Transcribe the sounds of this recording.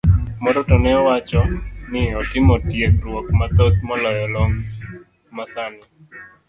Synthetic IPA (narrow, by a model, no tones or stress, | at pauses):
mɔɾotɔnɛɔwat͡ʃɔnɪɔtɪmɔtjek̚ɾwokmat̪ɔt̪̚mɔlɔjɔlɔŋ | masanɛ